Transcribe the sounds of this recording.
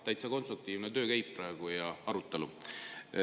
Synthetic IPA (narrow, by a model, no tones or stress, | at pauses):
t̪æjt̪sɑko̞nst̪ɾuk̚t̪iːvnet̪ø̞ːkæjpːɾæeɡ̥ujɑɑɾut̪ːˑe̞lu